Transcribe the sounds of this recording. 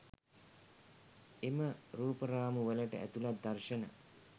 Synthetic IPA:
eməɾuːpəɾaːmuʋələʈə̰ʔæ̰t̪ulat̪̚d̪arʃənə̰

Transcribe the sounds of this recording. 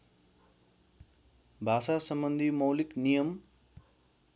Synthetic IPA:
bʱasasʌmbʌnd̪ʱimʌwliknijʌm

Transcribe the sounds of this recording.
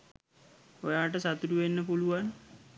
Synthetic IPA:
ojaːʈ̬əsat̪uɾuʋenːəpuluʋan

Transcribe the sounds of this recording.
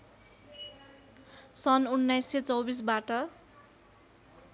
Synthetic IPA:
sʌnunːajsːet͡sʌwbis̬baʈʌ

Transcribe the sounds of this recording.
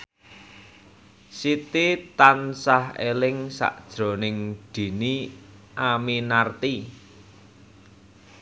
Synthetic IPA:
sit̪it̪ansahelɪŋsa̰ʔd̥ʒ̥ɾo̤nɪŋd̪̥i̤niʔaminart̪i

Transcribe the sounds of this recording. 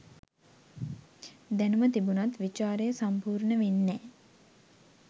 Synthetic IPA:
d̪ænumət̪ibunat̪ʋit͡ʃaːɾejəsampuːɾnəʋenːɛː

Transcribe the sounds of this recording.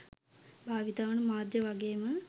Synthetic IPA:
bʱaːʋit̪aːʋənəmaːd̪jəʋaɡeːmə

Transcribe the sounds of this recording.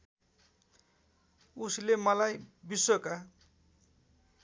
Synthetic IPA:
uslemʌlajbisoka

